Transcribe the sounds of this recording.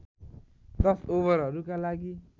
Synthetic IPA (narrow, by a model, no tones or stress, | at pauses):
d̪ʌsobʌɾɦʌɾukalaɡi